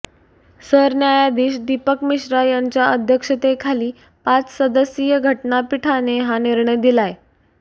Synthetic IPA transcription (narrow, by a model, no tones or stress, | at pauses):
səɾnjajad̪iːɕd̪ipəkmiɕɾajaɲt͡ɕjaʔəd̪ʱjəkʂət̪ekʰaliː | pat͡ssəd̪əsijəɡʱəʈnapiʈʰaneɦaniɾɳəjd̪ilaje